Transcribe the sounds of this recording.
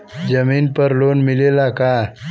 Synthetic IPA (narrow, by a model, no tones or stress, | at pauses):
d͡ʑəmiːnpəɾlonmilelaka